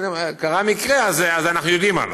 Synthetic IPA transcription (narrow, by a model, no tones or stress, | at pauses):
kaʁamikʁeazeazanaχnujod̪ima̰l